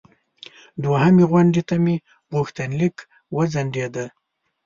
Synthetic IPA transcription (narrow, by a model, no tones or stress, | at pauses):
d̪wahameɣwaɳɖit̪ami | bʁuxt̪anlik | wəzaɳɖed̪a